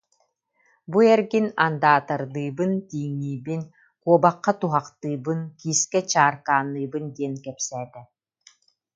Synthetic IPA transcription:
buɛɾɡinand̪aːt̪aɾd̪ɯːbɯnt̪iːŋːiːbin | kuɔbaqːat̪uɦaqt̪ɯːbɯnkiːskɛt͡ɕaːɾkaːnːɯːbɯnd̪iɛnkɛpsɛːt̪ɛ

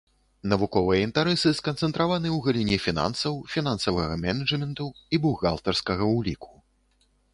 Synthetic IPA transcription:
nɐvukɔvɨjɛint̪aɾɛsɨskɐnt̪sɛnt̪ɾavanɨwɣɐlʲinʲɛfʲina̰nsɐwfʲinansɐvɐɣɐmʲɛnɐd͡ʐmʲɛnt̪uibuɣa̰lˠt̪ɐrskɐɣɐwlʲikʰu̥

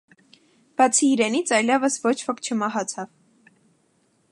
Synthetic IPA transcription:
b̥ɑt͡sʰiːɾɛnit͡sʰɑjlɛvəsvɔt͡ʃʰvɔkt͡ʃʰəmɑɦɑt͡sʰɑv

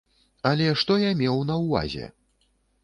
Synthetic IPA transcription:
ɐlʲɛʂt̪ɔjamʲɛwnɐwva̰zʲɛ̰

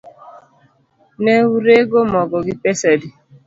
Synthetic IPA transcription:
nɛwuɾeɡomɔɡɔɡipɛsɛdi

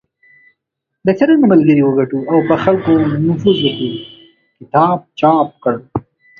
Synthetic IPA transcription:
d̪əsaɾaŋɡamalɡəɾiwəɡaʈuawpəxalkonʊfuzwəki | kɪt̪ɑb̚t͡ʃɑp̚kəɽ

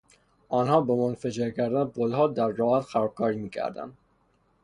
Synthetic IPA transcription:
ʔɒːnhɒːbemonfæd͡ʒeɾcʰæɾd̪ænbolhɒːd̪æɾːɒːhæt̪xæɾɒːb̚kʰɒːɾiːmiːcʰæ̰ɾd̪æ̰nd̪

